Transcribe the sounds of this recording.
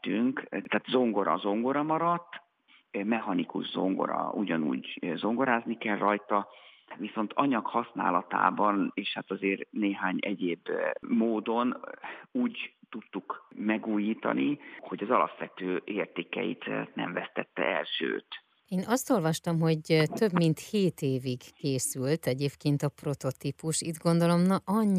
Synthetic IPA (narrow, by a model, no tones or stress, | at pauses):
t̪yŋkt̪ːaːt̪zo̞ŋɡo̞ɾɒ̰zo̞ŋɡo̞ɾɒmɒɾɒt̪ː | mɛɦɒnikṵʒzo̞̰ŋɡo̞̰ɾɒ̰uɟɒnṵːɟzo̞ŋɡo̞ɾaːznikɛlrɒjt̪ɒ | ʋiso̞nt̪ɒɲɒkhɒsna̰ːlɒt̪a̰ːbɒneːʃhat̪ɒzeːrneːɦaːɲɛɟeːbmoːd̪o̞nuːɟt̪ut̪ːukmɛɡuːjiːt̪ɒ̰niho̞ɟɒzɒlɒ̰pʋɛt̪øːʔeːrt̪eːkɛ̰jḭt̪nɛ̰ɱvɛst̪ɛt̪ːɛ̰ɛ̰lʃø̰ːt̪ | eːnɒst̪o̞lvɒʃt̪ɒmɦo̞ɟt̪øbmint̪heːt̪eːviɡkeːsylt̪ɛɟeːpkeːnt̪ɒpro̞t̪o̞t̪ipuʃid̪ɡo̞nd̪o̞lo̞mnɒʔɒɲː